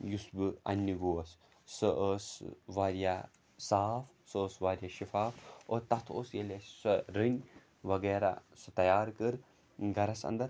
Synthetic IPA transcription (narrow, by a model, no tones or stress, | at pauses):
jusbɨɐ̰nʲːiɡoːɐs | sɨʔəːsʋaːɾija | saːf | səːsʋaːɾʲjaʃifaːfoːt̪ɐt̪ʰo̰ːsjelessɨɾɨnʲ | ʋɐɡeːɾa̰sɨt̪ɐjaːɾkɨɾ | ɡɐɾɐsɐ̰nd̪ɐɾ